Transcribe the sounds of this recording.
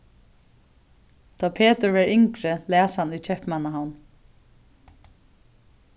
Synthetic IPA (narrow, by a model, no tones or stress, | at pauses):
d̪̥ɑːpʰeːt̪əɹʋɛɹɪŋkɾəlæːshanujt͡ʃʰɛpmanaɦan